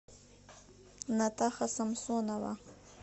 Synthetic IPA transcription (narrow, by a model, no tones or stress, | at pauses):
nat̪axasamsonawa̰